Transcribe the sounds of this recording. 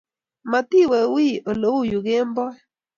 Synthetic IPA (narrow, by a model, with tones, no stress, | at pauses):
ma˨t̪i˦˨wɛ˨wi˦o˨lo˦wu˦˨ju˨ɡe˦mbɔ˦